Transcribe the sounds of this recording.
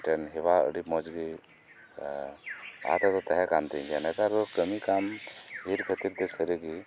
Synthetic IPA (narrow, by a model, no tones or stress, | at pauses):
ʈɛnɦɛbaə̰ɽipmɔd͡ʒɡi | a̰t̪ɔt̪ɔt̪aɦɛkamt̪ɛ̃ɡɛnɛk̪aɾɔkəmikamɦiɾkʰət̪iɾt̪ɛsəɾiɡi